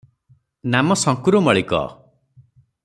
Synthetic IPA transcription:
namɔsɔŋkuɾumɔɭikɔ̰

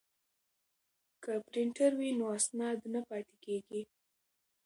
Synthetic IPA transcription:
kəpɾɪɳʈaɾwinoasnɑd̪napɑt̪ekeɡi

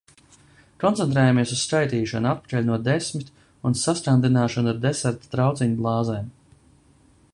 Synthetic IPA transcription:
kɔnt̪sʲɛnt̪ɾɛːjameɛsusːkajt̪iːʃanuat̪̚pḁt͡ʃɛlʲnuɔd̪esmit̪ʲ | unsast̪ɾand̪inaːʃanaɾd̪esɛɾt̪ḁt̪ɾawt̪sʲiɲublˠɑːzɛːm

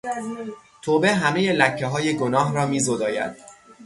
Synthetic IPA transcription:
t̪ʰoːbeɦæme̞je̞læcʰːeɦɒːje̞ɡonɒːɦɾɒːmiːzod̪ɒːjæ̰d̪̥

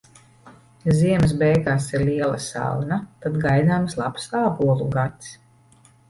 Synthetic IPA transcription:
ziɛms̬bɛjɡaːsiɾlʲiɛlˠasa̰lˠnat̪ad̪ɡajd̪aːmslˠapsaːbuɔlˠuɡat̪s

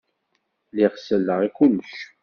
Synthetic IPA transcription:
liʁsəlːəʁikuləʃ

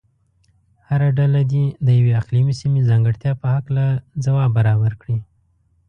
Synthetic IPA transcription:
haɾaɖalad̪ed̪əjaweaqlimisimezɑŋɡəɽt̪jɑpəhaklazawɑbaɾɑbaɾkɽi

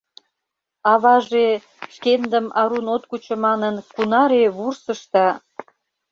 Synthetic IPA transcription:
ɑβɑʒe | ʃkend̪əmɑɾunot̪̚kut͡ɕə̆mɑnənkunɑɾeβursəʃt̪ɑ

